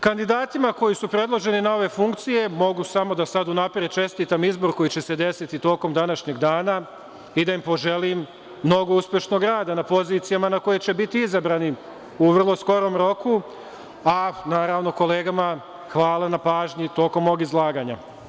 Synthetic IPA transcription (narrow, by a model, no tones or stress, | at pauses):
kand̪id̪aːt̪imako̞jisupɾe̞d̪lˠo̞ʒe̞ninao̞ʋe̞fuŋkt̪sije̞mo̞ɡusamo̞d̪asad̪unapɾet͡ʃe̞st̪iːt̪amizbo̞ɾko̞jit͡ɕe̞se̞d̪e̞sit̪it̪o̞ːko̞md̪anaʃɲe̞ɡd̪aːna | id̪aimpo̞ʒe̞limː | no̞ɡo̞uspʲje̞ʃno̞ɡɾaːd̪anapo̞ziːt̪sijamanako̞jet͡ɕebit̪iizabɾaːni | uʋr̩lˠo̞sko̞ɾo̞ːmɾo̞ku | anaːɾaʋno̞ko̞le̞ːɡama | xʋaːlˠanapaːʒɲit̪o̞ːko̞mːo̞ːɡizlˠaːɡaːɲa